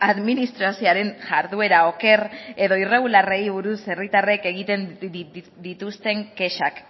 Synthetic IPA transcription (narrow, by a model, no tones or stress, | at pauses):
aðminist̪ɾasioaɾe̞nʝaɾðue̞ɾao̞ke̞re̞ðo̞ire̞ɣ̞ularejβuɾuse̞rit̪are̞ke̞ɣ̞it̪e̞n | d̪it̪ust̪e̞ŋke̞ʃak